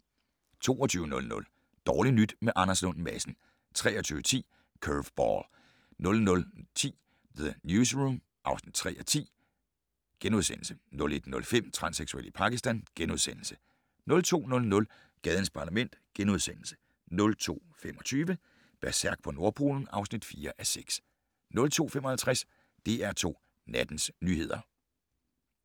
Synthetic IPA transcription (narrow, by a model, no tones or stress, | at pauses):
t͡sʰo̝̰ːɒt͡sʰyːʊnɔ̽lnɔ̽l | d̥ɒːlinyd̥meʔɑ̈nɐslɔ̽nmæsn̩ | t͡sʰʁɛːɒ̽t͡sʰyːʊət͡sʰḭː | kʰøʋb̥ɒ̰l | nɔ̽lnɔ̽lt͡sʰḭː | ðənjuːs̬ʁum | ʔɑ̈ʊsnid̥̚t͡sʰʁɛ̰ːɐt͡sʰḭː | ɡ̥enuðˠsen̰l̩sənɔ̽le̝d̥nɔ̽lfem̰t͡sʰʁɑ̈nseɡ̥suḛlipʰɑ̈ɡ̥isd̥ænɡ̥enuð̞ˠsen̰l̩sə̥ | nɔ̽lt͡sʰo̝̰ːnɔ̽lnɔ̽l | ɡ̥ɛːð̞ˠən̩spʰɑ̈ːlæmen̰d̥ɡ̥enuð̞ˠsen̰l̩sə̥ | nɔ̽lt͡sʰo̝̰ː | fem̰ɒ̽t͡sʰyːʋə | b̥æɐsæɐɡ̥̚pʰɒ̽no̝ɐpʰo̝ːln̩ɑ̈ʊsnid̥fiːɐʔæseɡ̥s | nɔ̽lt͡sʰo̝̰ːfemɒ̽hælt͡sʰʁas | d̥e̝æɐt͡sʰo̝̰ː | næd̥n̩snyːhe̝ð̞̰ˠɐ